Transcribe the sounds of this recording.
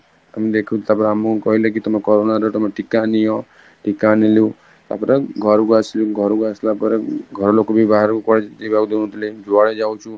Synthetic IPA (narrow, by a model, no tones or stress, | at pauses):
amed̪ekʰũt̪apəɾamũkɔɦilek̬it̪ɔmekɔɾonaɾt̪ɔmeʈikaniɔ | ʈikaniljũ | t̪a̰pəɾeɡʱɔɾuɡasljũɡʱɔɾuɡaslapəɾeɡʱɔɾolokobʱibaɦaɾkɔɽed͡ʒebaɡud̪oũt̪iled͡ʒoaɭed͡ʒawũt͡ʃʰũ